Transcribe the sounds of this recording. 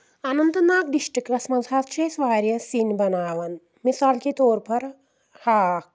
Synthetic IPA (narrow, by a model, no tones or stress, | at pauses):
anɐnt̪ɐnaːkɖiʃʈkɾɐsmɐzaːst͡ʃʰeːsʋaːɾjɐsinbɐnaːʋɐn | misaːlkit̪oːɾpɐɾ | haːk